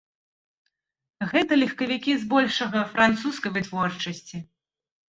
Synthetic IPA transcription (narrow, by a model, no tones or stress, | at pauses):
ɣɛt̪ɐlʲixkɐvʲikʲizbɔlʲʂɐɣɐfɾant̪suskɐjvɨt̪vɔrt͡ʂɐsʲt͡sʲi